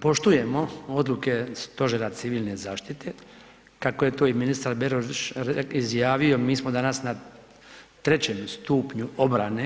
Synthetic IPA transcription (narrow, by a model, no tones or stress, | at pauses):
po̞ʃt̪uje̞mo̞o̞d̪luke̞st̪o̞ʒeɾat̪siʋiːlne̞zaːʃt̪it̪ʰe̞ | kako̞je̞t̪o̞ːiminist̪aɾbeɾoʃizjaːʋio̞miːsmo̞d̪anasna | t̪ɾe̞t͡ɕe̞mst̪uːpɲuo̞bɾane